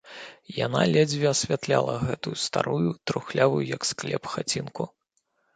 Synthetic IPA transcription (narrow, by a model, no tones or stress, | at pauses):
janalʲɛd͡zʲvʲiɐsʲvʲat̪lʲa̰lˠɐɣɛt̪ujust̪aɾujut̪ɾuxlʲavujujɐksklʲɛ̰pxat͡sʲinku